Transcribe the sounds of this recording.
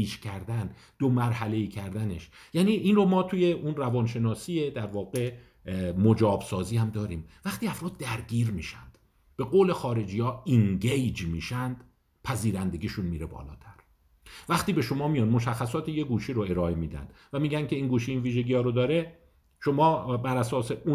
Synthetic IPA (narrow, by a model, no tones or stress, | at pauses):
it͡ʃcʰæɾd̪æn | d̪o̞mæɾhæle̞iːkcʰæɾd̪æne̞ʃjæːniʔiːnro̞mɒːt̪ʰuːje̞ʔunrævɒːnʃe̞nɒːsiːjed̪æɾvɒːɣe̞ | mod͡ʒɒːbsɒːziːhæmd̪ɒːɾiːmvæxt̪iːæfɾɒːd̪̚ːæɾɟiːɾmiːʃænd̪̥ | b̥e̞ɣoːle̞xɒːɾe̞d͡ʒijɒːiŋɡejd͡ʒmiːʃænd̪̥ | pʰæziːɾænd̪e̞ɡiʃunmiːɾebɒ̰ːlɒ̰ːt̪ʰæɾ | væxt̪iːbe̞ʃo̞mɒːmijɒnd̪mo̞ʃæxːæsɒːt̪ʰejeɡuːʃiːɾoe̞ɾɒːemiːd̪æ̰nd̪væmiːɡʲæncʰe̞iːnɡuːʃiiːnviːʒeɡijɒːɾod̪ɒːɾe̞ | ʃomɒːbæɾæsɒːse̞ʔu